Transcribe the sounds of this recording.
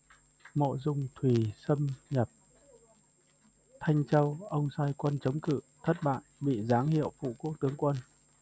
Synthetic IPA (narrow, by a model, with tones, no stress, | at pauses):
mo̰˧˨zʊ˧ŋ͡mt̪ʰwi˨˩sə˧mɲə˨˩p̚ | t̪ʰa˧jŋ̟t͡ɕə˧wʔə˧wŋ͡msaː˧jkwə˧nt͡ɕə˨˦wŋ͡mkɨ̰˧˨t̪ʰə˦˥t̚ɓa̰ː˧˨jɓḭ˧˨zaː˨˦ŋhḭ˧˨əwfṵ˧˨ku˦˥ək̚t̪ɨ˨˦əŋkwə˧n